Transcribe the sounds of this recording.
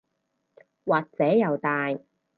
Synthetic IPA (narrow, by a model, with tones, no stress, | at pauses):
waː˨k̚t͡sɛː˨˥jɐ˨wt̪aː˨˧j